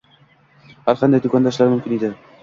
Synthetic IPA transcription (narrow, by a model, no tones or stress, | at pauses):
haɾqʰɑnd̪ajd̪ʊkʰʲɑnd̪aʃlaɾmɵmkʲɪnid̪ɪ